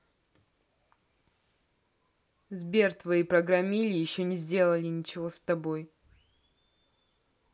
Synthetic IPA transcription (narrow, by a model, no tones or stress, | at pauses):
zbʲert̪vɐipɾɐɡɾɐmʲilʲɪjɪɕːonʲɪzʲdʲe̞lˠəlʲɪnʲɪt͡ɕɪvost̪ɐboj